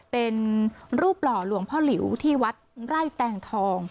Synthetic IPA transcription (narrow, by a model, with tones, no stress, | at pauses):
pe˧nɾuː˥˩p̚ːlɔː˨˩lu˨˩˦əŋpʰɔː˥˩li˩˦wt̪ʰiː˥˩wa˦˥t̪̚ɾa˥˩jt̪ɛː˧ŋt̪ʰɔː˧ŋ